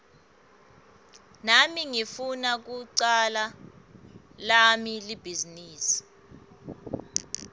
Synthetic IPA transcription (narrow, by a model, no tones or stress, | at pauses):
namiŋifunak̬uǀala | lamilib̥ʱiziniːsi̥